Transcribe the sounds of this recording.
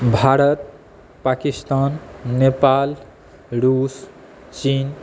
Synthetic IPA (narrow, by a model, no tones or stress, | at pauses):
bʱaɾət̪̚ | pakist̪anːepal | ɾus | t͡ʃin